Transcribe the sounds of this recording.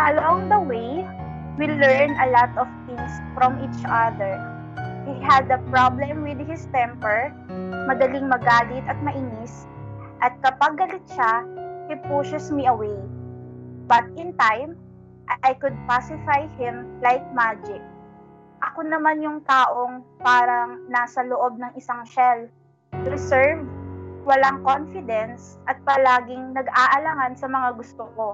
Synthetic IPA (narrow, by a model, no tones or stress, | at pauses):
aloʔoŋd̪ɐwej | wilɛɹnɐlat̪ɔvt̪ɪ̃ŋsfɹɔmʔit͡ʃad̪ɛɹ | hiɦɐd̪ɐpɹablɛmwɪd̪̚hɪst̪ɛmpɛɹ | mɐd̪ɐliŋmɐɡaːlɪt̪ɐt̪̚mɐʔinɪs | ʔɐt̪̚kɐpɐɡːɐlɪt̪̚ʃapɪpusɛsmiʔɐwej | bɐt̪̚ɪnt̪ajm | ʔjkʊd̪̚pasɪfajhɪ̃mlajk̚mad͡ʒɪk̚ | ʔɐkonɐmanjʊŋt̪aːʔo̞ŋpaːɾɐŋnaːsɐloʔo̞b̚nɐŋʔɪsaŋʃɛl | ɾɪsɛɹvwɐlaŋkonfɪd̪ɛnsʔɐt̪̚pɐlaːɡɪŋnɐɡʔaːʔɐlaŋansɐmɐŋaɡʊst̪oko̞